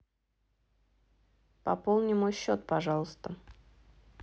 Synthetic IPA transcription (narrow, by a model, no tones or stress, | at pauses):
pɐ̰polˠnʲɪmojɕːot̪̚pɐʐɑlˠəst̪ə